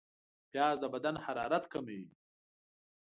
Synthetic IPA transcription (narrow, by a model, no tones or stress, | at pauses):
pjɑːzd̪əbad̪anhaɾɑ̰ːɾat̪kamewi